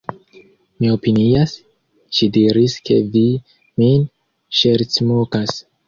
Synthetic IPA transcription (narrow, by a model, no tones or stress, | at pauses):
mio̞pinias | ʃidiɾiske̞̰vi | min | ʃe̞ɾt͡smokas